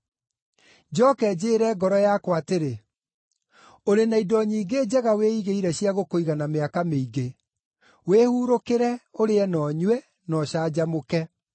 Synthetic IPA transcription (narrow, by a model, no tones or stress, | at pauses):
d͡ʑɔkɛd͡ʑeːɾɛɡɔɾɔjakwateɾe | oɾenaidɔɲiːɡeːd͡ʑɛɣaweiɣeiɾɛɕijaɣokoiɣanameakameiɡe | wehuɾokeɾɛoɾeɛnɔɲwɛ | nɔɕaːd͡ʑamokɛ